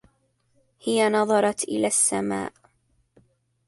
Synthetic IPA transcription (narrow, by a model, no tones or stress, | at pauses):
hɪjanɑðˤɑɾˤɑt̪ʔɪ̰laːsːama̰ːʔ